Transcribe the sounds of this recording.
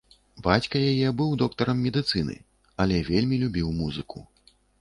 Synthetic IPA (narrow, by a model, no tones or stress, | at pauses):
bat͡sʲkɐjajɛbɨwd̪ɔkt̪ɐɾɐmːʲɛd̪ɨt̪sɨnɨ̰ | ɐlʲɛvʲelʲmʲilʲubʲiwmuzɨkʰu